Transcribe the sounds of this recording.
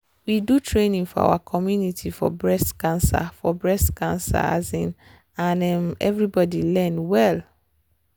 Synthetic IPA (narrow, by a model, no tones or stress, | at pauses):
widutʰɹenĩŋfɔa̰wakʰɔmjunitʰifɔ̰bɹɛskãnsa̰fɔbɹɛskãnsa̰a̰zĩn | ãnɛmɛ̰vɹibɔdilɛ̃nwɛl